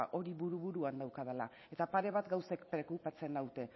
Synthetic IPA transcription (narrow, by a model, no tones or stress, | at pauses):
ʔo̞ɾiβuɾuβuɾuand̪awkað̞ala | e̞t̪apaɾe̞β̞at̪ɡawsekpɾe̞kupat͡se̞nawt̪e̞